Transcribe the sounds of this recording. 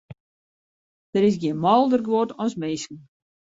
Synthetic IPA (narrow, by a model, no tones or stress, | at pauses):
d̥əɾɪs̬ɡjinmɔlˠdərɡʋotɔsmeskn̩